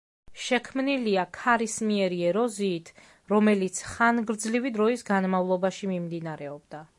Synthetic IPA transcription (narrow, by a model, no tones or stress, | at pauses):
ʃɛkʰmniliakʰaɾismiɛɾiɛɾɔziːt̪ʰ | ɾɔmɛlit̪sʰχanɡɾd̪zlivid̪ɾɔisɡanmavlˠɔbaʃimimd̪inaɾɛɔbd̪a